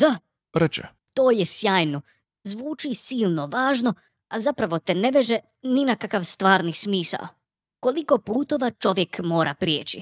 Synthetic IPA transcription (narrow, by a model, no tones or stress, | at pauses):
d̪̥a | ɾet͡ʃḛ | t̪o̞ːjesjaːjno̞ | zʋuːt͡ʃisiːlˠno̞ʋaːʒno̞ | azapɾaʋo̞t̪eneʋeʒe | ninakakaʋst̪ʋaːɾnismiːsa̰o | ko̞liko̞puːt̪o̞ʋat͡ʃo̞ʋje̞kmo̞ːɾʔapɾjeːt͡ɕḭ